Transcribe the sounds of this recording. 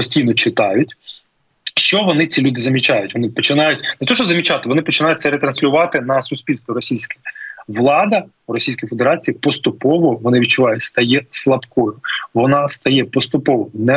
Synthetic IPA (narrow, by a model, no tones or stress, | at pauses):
ɔsʲtʲijnɔt͡ʃɪt̪ɑjʊtʲ | ʃt͡ʃɔʋɔnɪt͡sʲilʲud̪ɪzɐmʲit͡ʃajʊtʲʋɔnɪpɔt͡ʃɪnɑjʊtʲnɛt̪ɔʃɔzɐmʲit͡ʃɑt̪ɪʋɔnɪpɔt͡ʃɪnɑjʊt̚ʲtsɛɾet̪ɾɐnsʲlʲʊʋɑt̪ɪnɐsʊsʲpʲilʲst̪ʋɔɾɔsʲijsʲkɛ̥ɛʋlˠɑd̪ɐ | uɾɔsʲijsʲkɔjfe̞d̪eɾɑt͡sʲijipɔst̪ʊpɔʋɔʋɔnɪʋʲd̚t͡ʃʊʋɑjʊtʲst̪ɐjɛslˠɐpkɔjʊʋɔnɑst̪ɐjɛpɔst̪ʊpɔʋɔnɛ